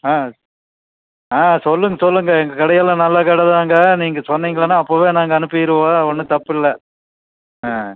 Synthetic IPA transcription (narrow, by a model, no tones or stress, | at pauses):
aː | aːsɔlːɯŋɡɐsɔlːɯŋɡɐɛŋɡɐkɐɽɐjɐlɐ̃nɐlːɐkɐɽɐðaːŋɡɐniːŋɡɐsɔnːiːŋɡɐɭɐnːaːɐpːoːʋeːnaːŋɡɐːnɯpːɯjɪɾɯʋõɔnːɯt̪ɐpːɪlːɐ | ãː